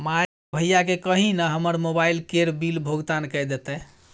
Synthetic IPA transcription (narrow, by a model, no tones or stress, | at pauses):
ma | bʱəjakekəɦĩnəɦəməɾmobailkeɾbilbʱoɡt̪ankəjd̪et̪ɛ